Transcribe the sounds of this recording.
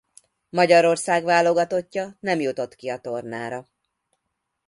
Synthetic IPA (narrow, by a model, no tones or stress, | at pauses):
mɒɟɒɾo̞rsaːɡvaːlo̞ɡɒt̪o̞cːɒnɛmjut̪o̞t̪kiɒt̪o̞rna̰ːɾɒ